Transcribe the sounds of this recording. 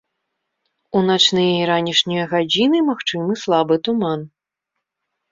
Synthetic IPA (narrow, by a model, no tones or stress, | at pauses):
unat͡ʂnɨjɐjiɾanʲiʂnʲijɐɣad͡zʲinɨmaxt͡ʂɨmɨslˠabɨt̪uman